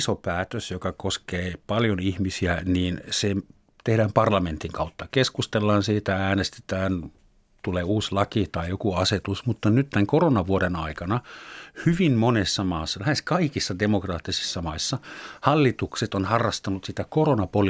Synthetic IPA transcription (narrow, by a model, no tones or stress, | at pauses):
sopæːt̪øsjokɑkoskeːpɑljonihmisiæniːnsem | t̪ehɾæːmpɑrlɑment̪iŋkɑut̪ːɑkeskust̪elːɑːnsiːt̪ææːnest̪e̥t̪æːn | t̪uleːuːslɑkit̪ɑijokuɑset̪usmut̪ːɑnyt̪t̪æŋkoronɑʋuoɾenɑikɑnɑhyʋimmonesːɑmɑːsːɑlæheskɑikisːɑdemokrɑːt̪ːisi̥sːɑmɑisːɑhɑlːit̪ukset̪onhɑrːɑst̪ɑnut̪sit̪ækoronɑpol